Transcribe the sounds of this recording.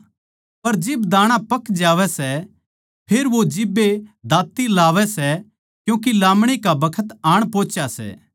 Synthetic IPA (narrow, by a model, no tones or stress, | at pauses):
pɐɾd͡ʒɪbd̪aːɽ̃ãpɐkd͡ʒaːʋɛsɛ | pʰeːɾʋod͡ʒɪbːed̪ʱaːt̪ːilaːʋɛsɛ | kjũːk̬ilaːmɽ̃ikabɐkʰət̪aːɽ̃põːt͡ʃasɛ̰ː